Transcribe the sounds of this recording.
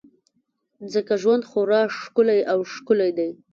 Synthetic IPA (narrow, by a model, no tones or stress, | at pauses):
zəkaʒwand̪xoɾɑʂkʊlajawʃkʊlajd̪aj